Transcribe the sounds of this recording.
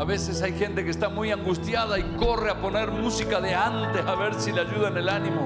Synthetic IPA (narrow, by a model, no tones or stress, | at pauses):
aβe̞se̞sajxe̞nt̪e̞keːst̪amujaŋɡust̪jað̞aiko̞reapo̞ne̞ɾmusikaðeant̪eaβe̞ɾsileaʝuð̞aene̞lanĩmo